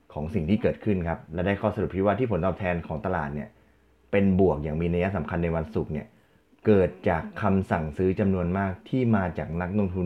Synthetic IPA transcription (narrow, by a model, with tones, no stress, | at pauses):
kʰɔː˩˦ŋsi˨˩ŋt̪ʰiː˥˩kɤː˨˩t̪̚kʰɯ˥˩nkʰa˦˥p̚lɛ˦˥daː˥˩jkʰɔː˥˩sa˧ɾu˨˩p̚t̪ʰi˥˩waː˥˩iː˥˩pʰo˩˦nt̪ɔː˨˩p̚t̪ʰɛː˧nkʰɔː˩˦ŋt̪a˧laː˨˩t̪̚ni˥˩ɐ | pe˧nbu˨˩ək̚jaː˨˩ŋmiː˧na˧ja˦˥ʔsa˩˦mkʰa˧nːa˧jwa˧nsu˨˩k̚ni˥˩ɐ | kɤː˨˩t̪̚t͡ɕaː˨˩kʰːa˧msa˨˩ŋsɯː˦˥t͡ɕa˧mnu˧ənmaː˥˩k̚t̪ʰiː˥˩maː˧t͡ɕaː˨˩k̚na˦˥k̚lo˧ŋt̪ʰu˧n